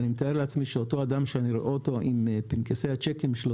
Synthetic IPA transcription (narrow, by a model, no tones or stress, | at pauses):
nimet̪aeleat͡smiʃeoto̞ad̪amʃeaniɾoʔooto̞ʔimpinkesejhat͡ʃekimʃelo